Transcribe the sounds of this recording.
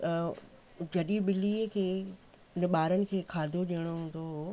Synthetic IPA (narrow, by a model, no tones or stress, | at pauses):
d͡ʑɐɗiɓɪliːkʰeː | nɪɓaːɾənɪ̆kʰeːkʰaːd̪ʱoɗiəɽ̃oɦũːn̆d̪oɦ